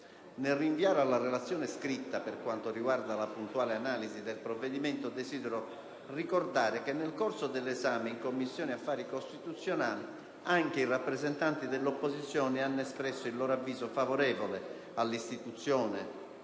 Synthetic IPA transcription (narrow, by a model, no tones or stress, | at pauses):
nerːiɱviaːɾalːarelat̪sːjɔːneskɾit̪ːaperkwant̪oriɡward̪alapunt̪uaːleanaːlizid̪elpɾovːed̪imɛnt̪od̪ezid̪ɛɾo | rikord̪aːɾekenːelkoɾsod̪elːɛzaːmeiŋkomːisːjɔːniafːaːɾikost̪it̪ut̪sːjonaːli | aŋk̟eirapːɾɛzɛnt̪ant̪id̪elːopːozit̪sːjɔːneanːɛspɾɛsːoilːɔːɾoavːiːzofavoɾɛːvole | alːist̪it̪ut̪sːjɔːnɛ